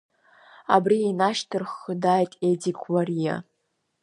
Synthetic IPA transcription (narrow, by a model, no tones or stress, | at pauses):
a̰brienaʃtʰɨrχːədajtʼedikʷʰʼwarija̰